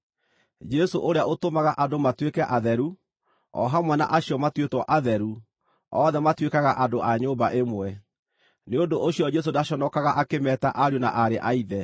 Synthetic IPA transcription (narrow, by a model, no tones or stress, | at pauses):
d͡ʒɛsoʔoɾeaʔotomaɣaʔadomatwekɛʔaðɛɾu | ɔ̰ɦamwɛna̰ʔaɕiɔmatwetwɔʔaðɛɾu | ɔðɛmatwekaɣaʔadoʔaɲoːmbaʔemwɛ | neondoʔoɕiɔd͡ʑɛs̬odaɕɔnɔkaɣaʔakemɛtaʔaɾjona̰ʔaɾeʔaiðɛ